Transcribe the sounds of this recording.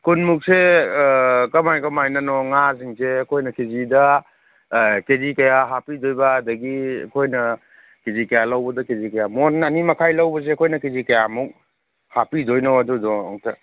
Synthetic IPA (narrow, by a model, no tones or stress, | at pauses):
kunmuk̚se | kɐmajkɐmajnɐnɔŋas̬iŋseɐkʰojnɐkezidɐ | kezikɐjaɦapidojbɐːdɐɡiɐ̰kʰojnɐ | kezikɐjalɐwbɐdɐkezikɐjamonnɐnimɐkʰajlɐwbɐs̬eːkʰojnɐkezikɐjamuk̚ | hapidojnawɐdudɔɔŋtʰɐ